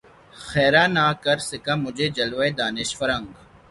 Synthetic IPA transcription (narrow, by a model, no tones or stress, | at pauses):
xɛːɾaːnaːkɐɾsɪkamʊd͡ʒʱed͡ʒɐlʋaed̪aːnɪʃfɐɾãŋɡ